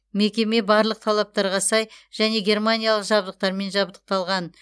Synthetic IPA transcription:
me̞kʲe̞me̞bɑɾlˠəq̚t̪ʰɑlˠɑp̚t̪ɑɾʁɑsɑjʒ̥æne̞ɡʲe̞rmanʲijalˠəqʒɑbd̪əq̚t̪ɑɾme̞nʒɑbd̪ə̥q̚t̪ɑlˠʁɑn

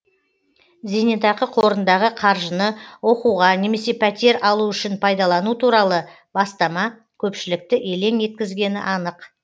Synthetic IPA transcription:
zenet̪ɑqəqʰo̞ɾənd̪ɑʁəqʰɑɾʒənəwo̞quʁɑne̞me̞se̞pʰæt̪e̞ɾɑlˠuʏʃɪnpʰɑjd̪ɑlˠɑnut̪ʰuɾɑlˠə | bɑst̪ɑmɑ | kʲʰɵpʃɪlɪk̚t̪ɪʔe̞le̞ŋe̞t̪̚kʲɪzɡʲe̞nɪ̰ʔɑnəq

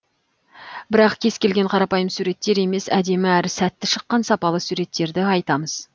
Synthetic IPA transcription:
bɪɾɑqkʲʰe̞skʲe̞lɡʲe̞ɴqʰɑɾɑpɑjəmsuɾe̞t̪ːe̞ɾe̞me̞sæd̪e̞mɪæɾɪsæt̪ːɪʃəqːɑnsɑpɑlˠəsuɾe̞t̪ːe̞ɾd̪ɪɑjt̪ɑməz

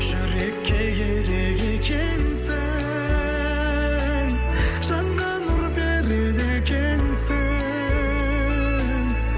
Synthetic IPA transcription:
ʒ̥ʏɾekʲʰːeɡʲeɾeɡekʲʰe | nsɪ | ŋ | ʒ̥ɑɴːɑnʊɾbeɾed̪ekʲʰensɪ | ŋ

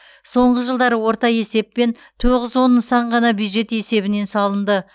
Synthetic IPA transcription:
so̞ɴʁəʒəlˠd̪ɑɾəwo̞ɾt̪ɑje̞se̞pːe̞n | t̪ʰoʁəzwo̞nːəsɑɴʁɑnɑbjud̪ʒe̞t̪e̞se̞bɪne̞nsɑlˠənd̪ə

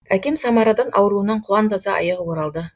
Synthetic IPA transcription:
ækʲe̞msɑmɑɾɑd̪ɑnʔɑ̰wəɾuənɑɴqʰʊlˠɑnd̪ɑzɑʔɑ̰jɑʁwoɾɑlˠd̪ə

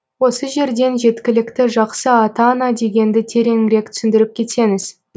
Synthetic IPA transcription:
wo̞səʒe̞ɾd̪e̞nʒe̞t̪kʲɪlɪkt̪ɪʒɑqsəɑt̪ɑnɑd̪e̞ɡʲe̞nd̪ɪt̪ʰe̞ɾe̞ŋɪɾe̞k̚t̪ʰʏ̥sɪnd̪ɪɾɪp̚kʲʰe̞t̪se̞ŋɪz̥

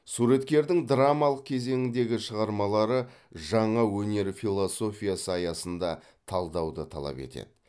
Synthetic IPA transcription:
suɾe̞t̪kʲe̞ɾd̪ɪŋd̪ɾamɑlˠəq̚kʲʰe̞ze̞ŋɪnd̪e̞ɡʲɪʃəʁɑɾmɑlˠɑɾə | ʒɑɴɑwɵne̞ɾfilˠo̞so̞fʲijasəɑjɑsənd̪ɑ | t̪ʰɑlˠd̪ɑwd̪ət̪ʰɑ̰lˠɑ̰pe̞̰t̪e̞̰d̪̥ɪ

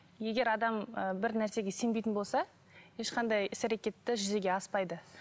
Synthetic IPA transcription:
je̞ɡʲe̞ɾɑd̪ɑməbɪɾnæɾse̞ɡʲe̞se̞nbejt̪ɪnbo̞lˠsɑ | je̞ʃqʰɑnd̪ɑjɪsæɾe̞kʲe̞t̪ːɪʒʏze̞ɡʲe̞ɑspɑjd̪ə

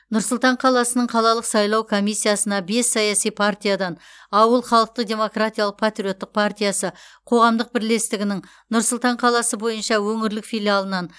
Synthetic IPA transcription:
nʊɾsʊlˠt̪ɑɴqʰɑlˠɑsənəɴqʰɑlˠɑlˠəqsɑjlˠɑwkʰo̞mijsːijasənɑbe̞sːɑjɑsijpʰart̪ʲijad̪ɑn | ɑwəlˠχɑlˠəq̚t̪əq̚d̪ʲe̞mo̞krat̪ʲijaɑlˠəq̚pʰat̪ɾʲijo̞t̪ːəq̚pʰart̪ʲijasəqʰo̞ʁɑmd̪əq̚bɪɾle̞st̪ɪɡʲɪnɪŋ | nʊɾsʊlˠt̪ɑɴqʰɑlˠɑsəbo̞jənʃɑwɵŋɪɾlɪkfijlijalˠənɑn

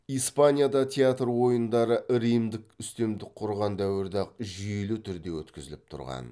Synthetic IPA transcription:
ijspanʲijad̪ɑt̪ʲʰeat̪rwo̞jənd̪ɑɾəʔɾijmd̪ɪkʏst̪e̞md̪ɪk̚qʰːʊɾʁɑnd̪æwɪɾd̪ɑq̚ʒijelut̪ʰʏɾd̪e̞wɵ̰t̪kʲɪzɪlɪp̚t̪ʰʊ̰ɾʁɑ̰n

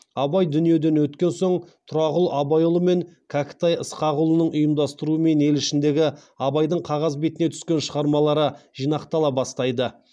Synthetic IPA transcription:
ɑbɑjd̪ʏnije̞d̪e̞nwɵt̪kʲe̞nsoɴt̪ʰʊɾɑʁʊlˠɑbɑjolˠəme̞ŋkʲʰakʲɪ̥t̪ɑjəsqɑʁʊlˠənəɴʊjəmd̪ɑst̪əɾuəme̞ne̞lɪʃɪnd̪e̞ɡʲɪ | ɑbɑjd̪əɴqʰɑʁɑzbe̞t̪ɪne̞t̪ʰʏ̥skʲe̞nʃəʁɑɾmɑlˠɑɾəʒ̥ijnɑqt̪ɑlˠɑbɑst̪ɑjd̪ə

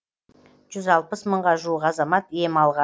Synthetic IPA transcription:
ʒ̥ʏzɑlˠpəsməɴʁɑʒuwəqɑzɑmɑt̪je̞mɑlˠʁɑ

